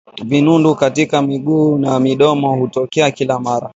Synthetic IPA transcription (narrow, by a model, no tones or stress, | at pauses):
vinundukatikamiɠuːnamiɗɔmɔhutɔkɛakilamaɾa